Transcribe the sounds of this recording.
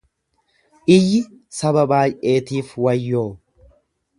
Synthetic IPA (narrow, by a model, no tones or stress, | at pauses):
ʔɪjːɪ | sɐbɐbaːjʔe̞ːt̪iːfwɐjːoː